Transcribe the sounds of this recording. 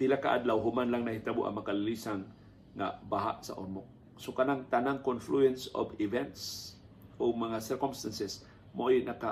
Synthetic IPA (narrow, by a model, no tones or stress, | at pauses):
pɪlakaʔa̰d̪lawɦʊmanlaŋnahit̪abʊ̰ʔɐ̰ŋmɐkalɪlisaŋː | a̰baɦa̰ʔsa̰ʔoɾmʊk̚ | sokanaŋt̪anaŋkonfluɛnso̰bɪvɛnt̪s | ʔoɡ̚maŋasɛɾkomst̪ansɛs | maʔojnʔaka